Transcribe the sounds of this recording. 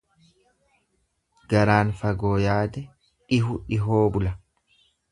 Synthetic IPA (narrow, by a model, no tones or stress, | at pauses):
ɡɐɾaːnfɐɡo̞ːjaːd̪ɛ | ᶑɪɦʊᶑɪɦoːbʊlɐ